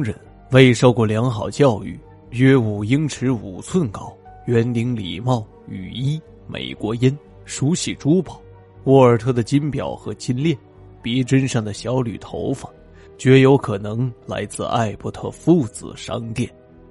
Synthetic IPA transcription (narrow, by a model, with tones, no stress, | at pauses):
ŋɻə̰˧˩n | we˥˧ɪʂo˥˧ʊkwɔ˥˩ljɑ˧˥ŋxɑ˨˩ʊt͡ɕjɑ˥˧ʊy̰˥˩ | ɥɛ˥u˨˩i˥ŋʈ͡ʂʰɻ̩˧˥ṵ˨˩t͡sʰwə˥˩nkɑ˥ʊɥɛ˧˥nli˧˥ŋlḭ˨˩mɑ˥˩ʊ | y̰˨˩i˥ | mḛ˨˩ɪkwɔ˧˥jɛ˥n | ʂu˧˥ɕi˨˩ʈ͡ʂu˥pɑ˨˩˦ʊ | wɔ˧˥˩ə˞˨˩t̪ʰɤ˥d̪ə˨t͡ɕi˥npjɑ˨˩ʊxɤ˧˥t͡ɕi˥nljɛ˥˩n | pjɛ˧˥ʈ͡ʂə˥nʂɑ˥˩ŋd̪ə˩ɕjɑ˧˥ʊly̰˨˩t̪ʰo˧˥ʊfa˨˩˦ŋ | t͡ɕɥɛ˧˥jo˧˥ʊkʰɤ˨˩nɤ˧˥ŋla̰˧˥ɪt͡sɹ̩̰˥˧a̰˥˧ɪpu˧˥t̪ʰɤ̰˥˧fu˥˩t͡sɹ̩̰˨˩ʂɑ̰˥ŋt̪jɛ˥˩n